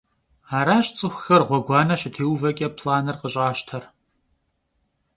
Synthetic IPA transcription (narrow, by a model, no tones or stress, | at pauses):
aːɾaːɕt͡sʼɨxʷxɐrʁʷɔɡʷɑːnɐɕɪtʰeːwvɐkʲʼɐpʰlaːnɨrqəɕʼaːɕtʰɐr